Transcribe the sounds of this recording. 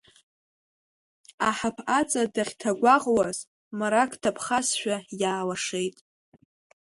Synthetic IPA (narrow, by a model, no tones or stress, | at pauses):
aħapʰat͡sʼadaχʲtʰaɡʷaʁwaz̥ | maɾakʰʼtʰapʰχasʃʷᶣajaːlaʂejtʼ